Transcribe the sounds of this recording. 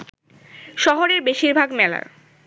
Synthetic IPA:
ʃɔɦoɾeɾbeʃiɾbʱaɡmɛla̰ɾ

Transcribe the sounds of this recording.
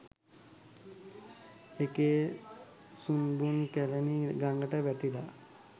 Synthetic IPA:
eke | sunbunkæleniɡaŋɡəʈəʋæʈila

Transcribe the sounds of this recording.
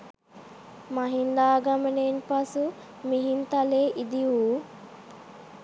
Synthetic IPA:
mɐɦind̪aːɡɐmɐnenpɐsu | miɦint̪ɐleːʔid̪iʋuː

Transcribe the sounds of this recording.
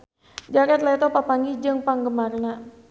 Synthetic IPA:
d͡ʒakɛt̪lɛt̪ɔpapaŋɡid͡ʒɨŋpaŋɡəmarna

